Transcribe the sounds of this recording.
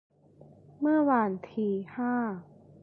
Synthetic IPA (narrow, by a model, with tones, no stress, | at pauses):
mɯ˥˩ɐwaː˧nt̪ʰiː˧haː˥˩